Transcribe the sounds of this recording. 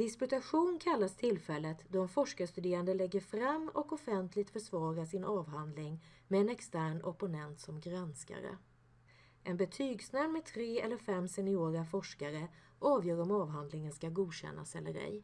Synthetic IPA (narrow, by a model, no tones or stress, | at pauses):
d̪ɪspɵt̪aɧuːnkʰalːast̪ʰɪlːfɛlːət̪d̪ɔɾɛnfɔʂkast̪ɵd̪eːɾand̪əlɛɡːəɾfɾamːɔkɔfɛnt̪ʰlɪɡ̚t̪fœʂvɑːɾaʂɪnʔɑːvɦand̪lɪŋ | mɛːnɛkst̪æːɳɔpʊnɛnt̪sɔmɡɾanska̰ɾə̰ | ʔɛnbɛt̪ʰyːɡsnɛlmɛt̪ʰɾeːɛlːəɾfɛmːsɛnɪoːɾafɔʂkaɾə | ʔɑːvjœːɾɔmɑːvɦand̪lɪŋənskaɡuːd̪ɕɛ̰nːa̰sɛ̰lːəɾɛ̰j